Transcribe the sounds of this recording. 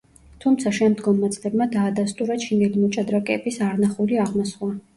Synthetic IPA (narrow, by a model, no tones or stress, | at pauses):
t̪ʰumt̪sʰaʃɛmd̪ɡɔmːat̪sʼlɛbmad̪aːd̪ast̪ʼuɾat͡ʃʰinɛlimɔt͡ʃʼad̪ɾakʼɛbisaɾnaχuliaʁmɔsχwa